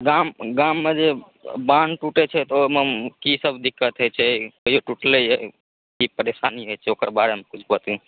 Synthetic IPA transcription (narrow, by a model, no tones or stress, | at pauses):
ɡamɡamːed͡ʒe | banʈuʈet͡ʃʰɛt̪omekisəbd̪ɪkːət̪ɦot͡ʃʰekoijoʈuʈləɦe | kipəɾeʃaːniɦojt͡ʃʰeoːkəɾbaɾemekʊt͡ʃʰbət̪jũ